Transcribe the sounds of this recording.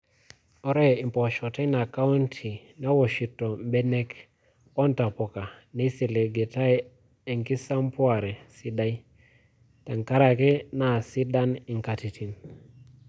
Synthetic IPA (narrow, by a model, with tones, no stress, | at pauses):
ɔ˦ɾɛ˦i˨mpɔ˨ʃɔ˨tɛ˦na˨ka˦u˦ntʰi˨ | nɛ˦wɔ˨ʃi˨tɔ˨mbe˦ne˦k | ɔ˦nta˨pɔ˨ka˨ni˦si˨le˨ɡe˨ta˦j | e˨ŋki˦sa˦mpwa˨ɾɛ˨si˦da˦i˦ | ta˨ŋka˦ɾa˨kɛ˦na˨si˦da˦ni˨ŋka˨ti˨tʰi˨n